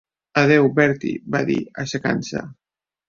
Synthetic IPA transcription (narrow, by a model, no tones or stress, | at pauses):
aðɛwbɛɾt̪ḭbaðḭaʃaka̰nsa̰